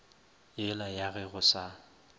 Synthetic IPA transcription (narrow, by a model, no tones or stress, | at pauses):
jɛlajaɣɛɣʊsa